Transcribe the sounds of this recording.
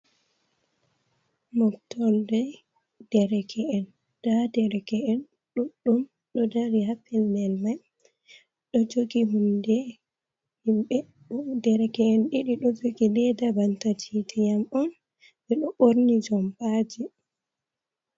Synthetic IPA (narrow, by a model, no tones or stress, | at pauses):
mɔktɔldɛ | d̥ɛɾɛkʰɛʔɛn | d̥adɛɾɛkɛɛn | ɗuɗum | ɗɔdaɾihafɛlnɛlmaj | ɗɔd͡ʒoɡiɦundɛ | himɓɛ | udɛɾɛkɛɛnɗiɗiɗɔd͡ʒoɡilɛdabantatitɛjamɔn | bɛɗɔɓoɾnid͡ʒɔmbad͡ʒi